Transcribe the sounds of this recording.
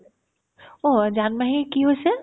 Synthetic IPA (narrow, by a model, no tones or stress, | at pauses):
od͡ʒaːnmẽɦikiɦose